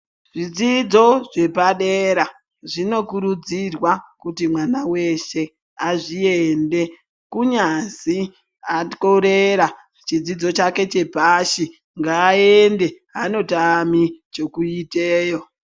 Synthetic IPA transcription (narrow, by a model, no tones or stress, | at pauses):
ʐid͡zid͡zo̞ʐe̞paɗeɾa | ʐino̞kuɾud͡zirwakutimwanawe̞ʃe̞ | aʐiende̞ | kuɲazi | atoɾeɾa | t͡ʃid͡zid͡zo̞t͡ʃake̞t͡ʃe̞paʃi | ŋɡaːende̞ | ano̞tamit͡ʃo̞kuiteːjo̞